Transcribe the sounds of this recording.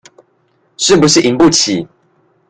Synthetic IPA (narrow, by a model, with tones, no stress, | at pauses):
ʂɻ̩˥˩p̬u˨˦ʂɻ̩˥˩ʔi˨ŋpu˥˨t͡ɕʰḭ˨˩˦